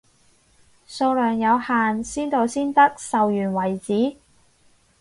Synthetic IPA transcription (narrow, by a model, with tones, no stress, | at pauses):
soː˧wlœː˨˩ŋjɐ˨˧whaː˨nsiː˥nt̪o˨˧wsiː˥nt̪ɐ˥k̚sɐ˨wjyː˨˩nwɐ˨˩jt͡siː˨˥